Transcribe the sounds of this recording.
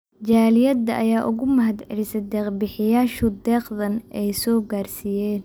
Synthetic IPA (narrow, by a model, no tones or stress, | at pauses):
d͡ʒaːlɪjɐd̪ːɐʔɐjaːʔʊɣʊmɐɦɐd̪ʕɛ̰lɪsɛd̪ɛːqbɪħɪjaːʃʊd̪ɛːqðɐnɛjsɔːɡaːrsijɛːn